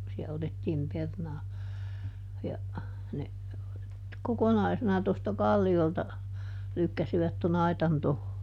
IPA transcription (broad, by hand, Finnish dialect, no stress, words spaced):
siæ otetːiːm pernɑː jɑ ne kokonɑisenɑ tostɑ kɑlːioltɑ lykːæsiʋæt ton ɑitɑn toho